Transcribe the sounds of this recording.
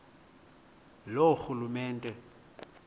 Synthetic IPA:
loxulumɛːntʼɛ

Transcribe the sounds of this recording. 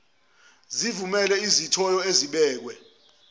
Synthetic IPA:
zivumɛlɛizitʰɔjɔeziɓɛːk̬wɛ

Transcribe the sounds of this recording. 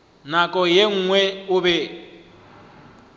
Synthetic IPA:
nakʼɔjeŋ̩ːŋwɛʊbɛ

